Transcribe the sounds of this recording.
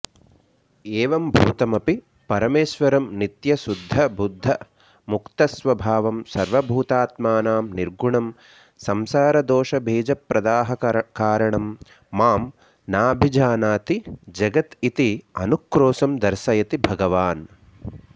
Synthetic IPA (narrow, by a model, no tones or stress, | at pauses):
eːʋɐmbʱṵːt̪ɐmɐpi | pɐɾɐmeːʃʋɐɾɐmnit̪jɐsud̪ʱːɐbud̪ʱːɐ | mukt̪ɐsʋɐbʱaːʋɐmsɐɾʋɐbʱuːt̪aːt̪maːnaːmniɾɡuɳɐm | sɐmsaːɾɐd̪oːʃɐbʱeːd͡ʒɐpɾɐd̪aːɦɐkaːɾɐɳɐmː | aːm | naːbʱid͡ʒaːnaːt̪id͡ʒɐɡɐt̪it̪iɐnukɾoːsɐmd̪ɐɾʃɐjɐt̪ibʱɐɡɐʋaːn